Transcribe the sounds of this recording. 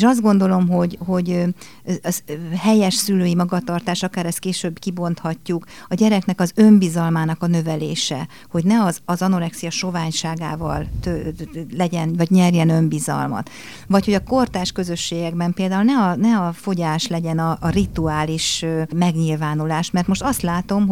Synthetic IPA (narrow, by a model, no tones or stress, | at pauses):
eʃɒzd̪ɡo̞nd̪o̞lo̞mɦo̞ɟho̞ɟ | ɒzhɛjɛʃsyløːjimɒɡɒt̪ɒrt̪aːʃɒkaːɾɛst̪̚keːʃøːbkibo̞n̪t̪hɒcːukɒɟɛɾɛknɛkɒzø̞mbizɒlmaːn̪ɒkɒnø̞vɛleːʃɛ̰ | ho̞ɟnɛɒzɒzɒno̞lɛksijɒʃo̞vaːɲʃaːɡa̰ːvɒ̰lt̪ølɛɟɛnvɒɟɲɛrjɛnø̞mbizɒ̰lmɒ̰t̪ | vɒcho̞ɟɒko̞rt̪aːʃkø̞zø̞ʃːeːɡɛɡbɛmpeːld̪aːulnɛɒnɛɒfoɟaːʃlɛɟɛnɒʔːrit̪uaːliʃømɛɡɲilvaːnulaːʃmɛrt̪mo̞ʃt̪ɒst̪laːt̪o̞mɦ